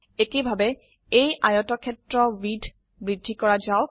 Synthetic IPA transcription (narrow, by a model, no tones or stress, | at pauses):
ekibʱabɛ | ejʔajɔtɔkʰɛtɹɔwidʱ | bɹidʱːikɔɹazaʊ